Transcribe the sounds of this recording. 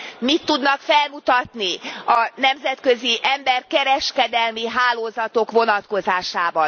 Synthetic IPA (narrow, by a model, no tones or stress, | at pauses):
mit̪ːud̪nɒkfɛlmut̪ɒt̪niɒnɛmzɛt̪køziʔɛmbɛrkɛɾɛʃkɛd̪ɛlmiɦaːloːzɒt̪o̞kʋo̞nɒt̪ko̞zaːʃaːbɒ